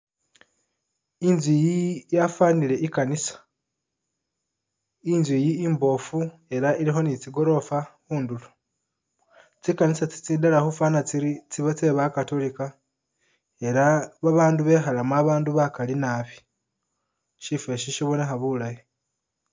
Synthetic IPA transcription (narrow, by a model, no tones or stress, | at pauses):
inzwijijafanile̞ikanisḁ | inzwijiːmbo̞fu | e̞ɾaiɾixo̞nit͡siɡo̞ɾo̞faxuːndulo | t͡sikanisat͡si̥t͡sidalaxufaːnat͡siɾit͡siβat͡se̞βakatolika | e̞ɾaβaβaːnduβe̞xalamuaβaːnduβakalinaβi̥ | ʃife̞ʃiʃiβonexaβulaje